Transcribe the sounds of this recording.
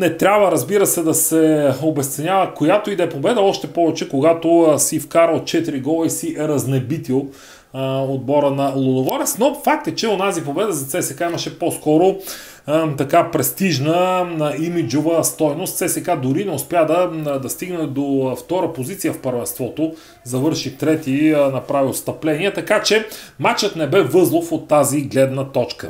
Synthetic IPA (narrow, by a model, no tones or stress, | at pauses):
nɛt̪ɾʲabvəɾɐzbiɾəsɛd̪ɐsɛobɛst̪sɛnʲavəkojat̪oid̪ɛpobɛd̪əɔʃt̪ɛpɔvɛt͡ʃɛkoɡat̪osifkaɾəot̪̚t͡ʃɛt̪iɾiɡɔlˠəisiɾɐznɛbit̪ilˠ | od̪̚bɔɾənɐlˠod̪oɡɔɾɛsnofak̚t̪ət͡ʃɛonazipobɛd̪əzɐt̪sɛsɛkaimɐʃɛposkɔɾo | t̪ɐkapɾɛst̪iʒnənɐimid͡ʒovəst̪ɔjnost̪t̪sɛsɛkad̪ʊɾinɛʊspʲjad̪ɐd̪ɐst̪iɡnɛd̪oft̪ɔɾəpozit̪sijəfpəɾvɛnst̪vɔt̪o | zɐvɤɾʃit̪ɾɛt̪inɐpɾavilˠst̪ɐplɛniɛt̪ɐkat͡ʃɛmat͡ʃət̪nɛbɛvɤzlˠofot̪ːaziɡlɛd̪nət̪ɔt͡ʃkə